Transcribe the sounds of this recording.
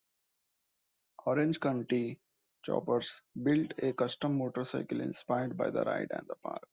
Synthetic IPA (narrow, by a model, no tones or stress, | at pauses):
ɔːɾẽnd͡ʒkə̃ɳʈi | t͡ʃɔ̰ːpəɾsbɪlʈekʌsʈə̃mːoːʈəɾsaɪkəlɪ̰̃nspaɪəɾɖ̚baɪd̪ə̰ɾʔa̰ɪɖæ̰̃ɳɖd̪əpa̰ːɾk̚